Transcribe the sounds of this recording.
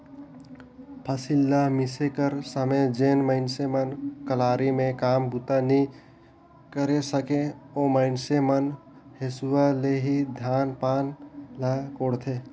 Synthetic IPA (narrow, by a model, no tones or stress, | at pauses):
pʰəsilːamisekəɾsəmed͡ʒeːnməɪnsemənkəlaːɾimẽkaːmbut̪ani | kəɾesəkẽoməɪnsemən | hesuwaleɦid̪ʱaːnpaːnlakoːɽt̪ʰe